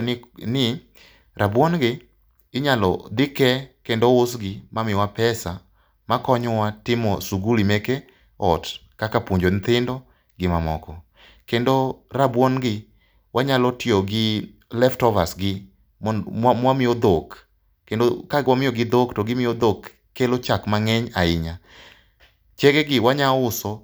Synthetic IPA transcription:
nnɪ | ɾʔabwonɡɪ | ɪɲalɔ̰d̪ɪkɛkendoʊsɡɪmamɪwapɛsa | makɔɲɔwatɪmɔsuɡulimeke | ɔt | kakapwoɲd͡ʒont̪ɪndo | ɡɪmamɔ̰kɔ | kendorabwɔnɡɪ | wʔaɲalɔtɪoɡɪ | lɛftɔvasɡɪ | amwamɪod̪ok | kendokaɡwamɪjɔɡɪd̪oktɔɡɪmɪod̪okː | elot͡ʃakmaŋeɲaɪɲa | t͡ʃeɡeɡɪwaɲaʊsɔ

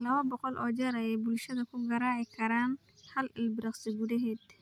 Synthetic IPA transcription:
lɐwɐbɔqɔlʔɔd͡ʒɐɾɐjɛbʊlʃɐd̪ɐkʰʊɡɐɾaːʕɪkʰɐɾan | hɐlɪlbɪɾɐqsɪɡʊdɪɦed̪

